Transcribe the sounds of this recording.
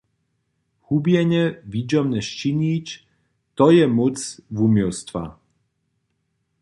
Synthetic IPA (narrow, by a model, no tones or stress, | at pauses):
hubjɛɲɛvid͡ʒɔmnɛʃt͡ʃiɲit͡ʃ | t̪ɔjɛmut͡svumɔlst̪va̰